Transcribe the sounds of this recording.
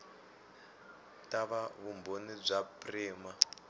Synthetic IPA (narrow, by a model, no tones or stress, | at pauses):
taβaβumbonib͡ʐapriːma